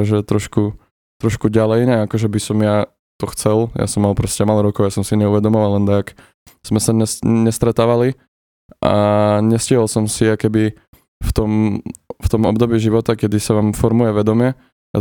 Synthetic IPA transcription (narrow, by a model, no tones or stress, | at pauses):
ʒɛt̪ɾɔʃku | t̪ɾɔʃkuɟalɛjɲɛakɔʒɛbisɔmja | t̪ɔxt͡sɛlja̰sɔmːalˠpɾɔscɛmalɔɾɔkɔʊjasɔmsiɲɛuʋɛd̪ɔmɔʋallɛnd̪aak | z̥mɛsaɲɛsɲɛst̪ɾɛt̪aːʋali | ʔa̰ɲɛscɪɦɔlsɔmsiakɛbi | ft̪ɔmft̪ɔmɔ̰bd̪ɔbiːʒiʋɔt̪akɛd̪isaʋaːmfɔɾmujɛʋɛd̪ɔmɪjɛ | a̰